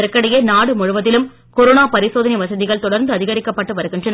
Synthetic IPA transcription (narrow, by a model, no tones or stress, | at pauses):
ɐɾɯkːɐɽɐjɐnaːɽɯmʊɻʊʋɐðɪlɯm | kɔɾoːnaːpɐɾɪsoːðɐnɐɪʋɐsɐðɪɣɐɭt̪ɔɽɐɾnd̪ɯɐðɪɣɐɾɪkːɐpːɐʈːɯʋɐɾɯɣɪndrɐn